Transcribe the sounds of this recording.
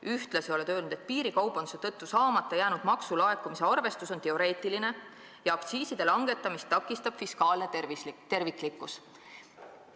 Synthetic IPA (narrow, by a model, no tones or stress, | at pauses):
yht̪lɑsio̞le̞t̪ø̞ːlnud̪e̞t̪̚piːɾikɑwponset̪ɤt̪ːusɑːmɑt̪ːˑejæːnud̪̥mɑksulɑe̞kːˑumise̞ɑrve̞st̪uso̞nt̪e̞o̞ɾe̞ːt̪ːˑiline̞ | jɑɑkt̪siːsid̪e̞lɑŋɡ̥e̞t̪ːˑɑmist̪ːɑkːˑist̪ɑb̥fiskɑːlnet̪e̞rvikˑlikːˑus